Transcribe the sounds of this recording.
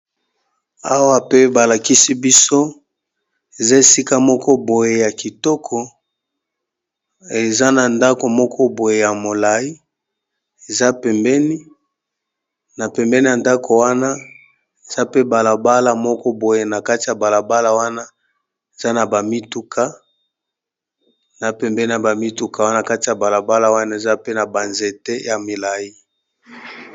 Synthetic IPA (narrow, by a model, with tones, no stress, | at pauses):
a˦wa˦pe˦ba˨la˨ki˦si˦bi˦so˦ | e˨za˦e˨si˦ka˦mɔ˦kʰɔ˦bo˨je˨ja˨ki˨tɔ˦kʰɔ˨ | e˨za˦na˨nda˦ko˨mɔ˦kʰɔ˦bo˨je˨ja˨mo˨la˨i˦ | e˨za˦pɛ˨mbɛ˦ni˦ | na˨pɛ˨mbɛ˦ni˦a˨nda˦kʰo˨wa˦na˦ | e˨z̥a˦pe˦ba˨la˨ba˦la˨mɔ˦kɔ˦bo˨je˨na˨ka˦ti˨ja˨ba˨la˨ba˦la˨wa˦na˦ | e˨za˦na˨ba˨mi˦tu˦kʰa˦ | na˨pɛ˨mbɛ˦ni˦na˨ba˨mi˦tu˦ka˨wa˦n˦˨a˨ka˦ti˨ja˨ba˨la˨ba˦la˨wa˦na˦e˨za˦pe˦na˨ba˨nze˨te˦ja˨mi˨la˨ji˦